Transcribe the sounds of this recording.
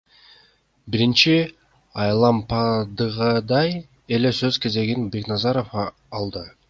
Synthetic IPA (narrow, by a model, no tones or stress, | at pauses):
biɾint͡ʃi | ɑjlˠɑmpɑd̪ɯʁɑd̪ɑj | e̞le̞søzke̞ze̞ɡinbe̞knɑzɑɾo̞f | ɑlˠd̪ɯ